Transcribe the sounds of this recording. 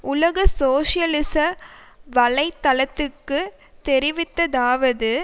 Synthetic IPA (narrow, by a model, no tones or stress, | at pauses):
ʔʊlɐɣɐsoːʂɪjɐlɪsɐʋɐlɐɪt̪ːɐlɐt̪ːɯkːɯ | t̪ɛɾɪʋɪt̪ːɐðaːʋɐðɯ